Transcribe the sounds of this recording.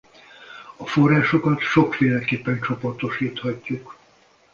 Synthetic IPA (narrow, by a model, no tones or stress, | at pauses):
ɒfo̞rːaːʃo̞kɒt̪ʃo̞kfeːlɛkeːpːɛnt͡ʃo̞po̞rt̪oʃiːt̪hɒcːuk